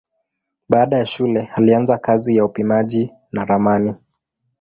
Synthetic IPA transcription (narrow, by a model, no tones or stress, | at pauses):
ɓaːɗajaʃulɛhalianzakazijaupimaʄi | naɾamani